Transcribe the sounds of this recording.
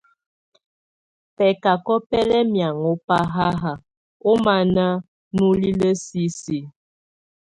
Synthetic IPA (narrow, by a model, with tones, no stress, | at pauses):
pɛ˨ka˨kɔ˦pɛ˦lɛ˦mja˨ŋo˦pa˦ɦa˦ɦa˨ | o˦ma˨na˦ | nu˦li˦lə˦si˦si˨